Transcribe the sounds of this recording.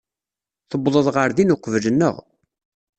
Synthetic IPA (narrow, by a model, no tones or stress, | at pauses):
θəbðˤəðˤʁəɾðinʊqvlənːə̰ʁ